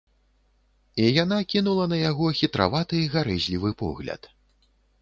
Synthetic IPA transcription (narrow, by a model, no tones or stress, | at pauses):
ijan̪akʲinulˠɐnɐjaɣɔxʲit̪ɾa̰vat̪ɨiɣaɾɛzʲlʲivɨpɔ̰ɣlʲɐ̰t̪